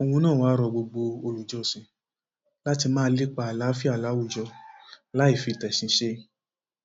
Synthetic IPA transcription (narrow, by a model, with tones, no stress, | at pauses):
o˧wũ˧nãː˦˨wa˦ɾɔ˧ɡ͡bo˧ɡ͡bo˧o˧lu˨d͡ʒɔ˧˨sĩ˧ | la˦ti˧mãː˦˧˦li˦k͡pa˧a˨la˨˦fi˦a˦˨la˨˦wu˦˨d͡ʒɔ˧la˨˦i˦˨fi˧˨tɛ˨sĩ˧ʃe˦